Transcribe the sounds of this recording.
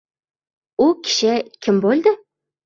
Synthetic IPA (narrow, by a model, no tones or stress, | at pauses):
ʊkʲʰɪ̥ʃɪkʲʰɪmbolˠd̪ɪ